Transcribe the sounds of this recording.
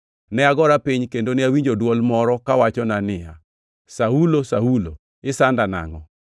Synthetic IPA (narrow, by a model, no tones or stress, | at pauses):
nɛaɡɔɾapiɲkendonɪawiɲd͡ʒodwɔlmɔɾɔkawat͡ʃɔnanɪa̰ | saulosaulo̰ | ɪsandana̰ŋɔ